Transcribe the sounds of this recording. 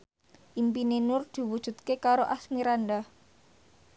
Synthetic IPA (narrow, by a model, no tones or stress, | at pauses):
ʔimpinenʊrd̪̥i̤wud̥ʒ̥ṳt̪kekaɾoʔasmiɾanda